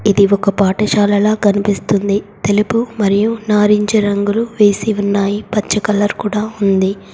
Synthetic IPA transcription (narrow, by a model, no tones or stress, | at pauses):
id̪iɔkɐpaːʈɐʃaːlɐlaːɡɐnipist̪und̪it̪e̞lupumɐɾijunaːɾiɲt͡ʃɐɾɐŋɡuluʋe̞ːsiunːaːjipɐt͡ʃːɐkɐlɐɾkuːɽaːund̪i